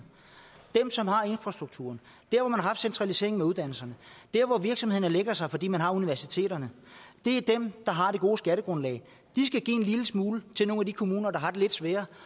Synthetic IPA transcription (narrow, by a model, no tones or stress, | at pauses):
d̥emsɒ̽mhɑ̈e̝nfʁɑ̈sd̥ʁuɡ̥̚t͡sʰṵɐn | d̥æɐɒmænhɑ̈ɦɑfd̥sent͡sʰʁɑ̈lise̝ɐ̰eŋnmeuð̞ˠd̥æn̰l̩sɐnəd̥æɐʋɒʋiɐɡ̥sɒ̽mhe̝ð̰ˠnəleɡ̥ɐsɑ̈ɪfɒ̽dḭːmænɦɑ̈uniʋæɐsit͡sʰe̝̰ːɾɐnə | d̥e̝æɐd̥emd̥ɑ̈ɦɑ̈d̥e̝ɡ̥o̝ːsɡ̥æɾəɡ̥ʁɔ̽nlɛ̰ɪ | d̥isɡ̥æɡ̥ḭːe̝nliləsmuːlət͡sʰe̝lno̝ːŋæd̥ikʰo̝muːnɐd̥ɑ̈ɦɑ̈d̥e̝le̝d̥sʋɛːɐ